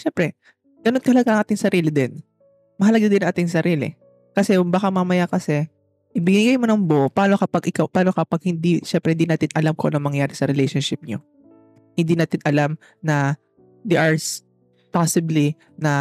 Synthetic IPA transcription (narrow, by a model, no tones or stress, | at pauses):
ʃɛmpɾɛ | ɡ̥ɐnonkɐhlɐɡaŋaːt̪ɪŋsɐɾiːlɪd̪ɛn | mɐɦɐlɐɡad̪ɪnɐŋʔaːt̪ɪŋsɐɾiːlɪ̰ | kɐsɛbaːkamamɐjakɐsɛ | ʔɪbɪnɪɡajmonɐŋboʔpaːnokɐpɐɡʔɪkawpaːno̞kɐpaɡ̚hɪnd̪iʃɛmpɾɛhɪnd̪inaːt̪ɪnʔɐlamkɐʔonɐŋmɐŋjaːɾɪsɐɾɛlɛjʃonʃɪp̚ɲo | hɪnd̪iːnaːt̪ɪnɐlam | nɐ | d̪iʔaɹs | pasɪbli | nɐ